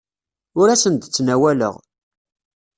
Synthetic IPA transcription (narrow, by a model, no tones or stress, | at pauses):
ʊɾæsənt̪t͡sːnæwælə̰ʁ